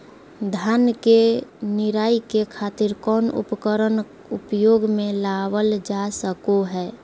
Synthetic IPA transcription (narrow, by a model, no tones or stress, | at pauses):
d̪ʱankenɪɾaːikekʰaːt̪ɪɾkɔːnʊ̰pkəɾən | ʊpjoːɡmẽlawəld͡ʒasəkoɦɛː